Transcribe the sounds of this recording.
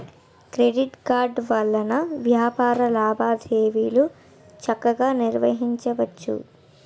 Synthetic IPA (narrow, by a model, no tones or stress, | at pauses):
kɾeɖiʈkaːɾɖʋɐlːɐnɐʋjaːpaːɾɐlaːbʱaːd̪ʱeːʋiːlu | t͡ʃɐkːɐɡaːniɾʋɐɦiɲt͡ʃɐʋɐt͡ʃːṵ